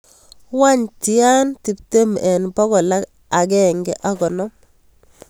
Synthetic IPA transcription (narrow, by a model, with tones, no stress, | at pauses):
wa˦ɲti˨ja˦nti˨p̚te˦mɛ˨npɔ˦ɡɔ˨la˦k | a˨ɡɛ˦˨ŋɡɛ˦ʔa˦ɡɔ˨nɔ˦m